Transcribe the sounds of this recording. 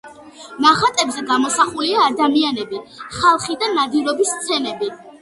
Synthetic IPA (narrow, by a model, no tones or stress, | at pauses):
maχat̪ʼɛbzɛɡamɔsaχuliaːd̪amianɛbiχalˠχid̪anad̪iɾɔbisːt̪sʰɛnɛbi